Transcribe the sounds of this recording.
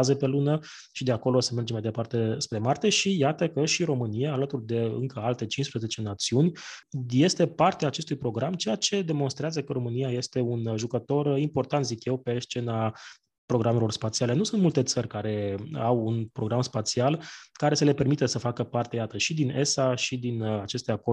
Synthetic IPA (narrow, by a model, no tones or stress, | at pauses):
zepe̞lunə | ʃid̪e̞ako̞lo̞seme̞rd͡ʒemajd̪e̞part̪e̞spɾe̞mart̪e̞ʃijat̪əkəʃiɾo̞mɨnijaːlət̪urd̪e̞ɨ̰ŋkəalt̪e̞t͡ʃinspɾəze̞t͡ʃe̞nat̪siunʲje̞st̪e̞part̪eaːt͡ʃe̞st̪ujpɾo̞ɡɾamt͡ʃe̞jat͡ʃe̞d̪e̞mo̞nst̪ɾeazəkəɾo̞mɨnijaje̞st̪e̞unʒukət̪o̞rimpo̞rt̪ant̪zikje̞wpe̞st͡ʃe̞na | pɾoɡɾamelo̞rspat̪siale̞nusunt̪mult̪e̞t̪sərʲkaɾe̞awunpɾo̞ɡɾamspat̪sialkaɾe̞səle̞pe̞rmit̪əsəfakəpart̪e̞jat̪əʃid̪ine̞saʃid̪inat͡ʃe̞st̪eako